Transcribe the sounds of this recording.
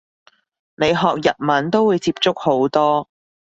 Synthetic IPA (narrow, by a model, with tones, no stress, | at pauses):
ne˨˧jɦɔː˨k̚jɐ˨t̚mɐ˨˥nt̪o˥wuː˨˧jt͡siː˧p̚t͡sʊ˥k̚ho˨˥wt̪ɔː˥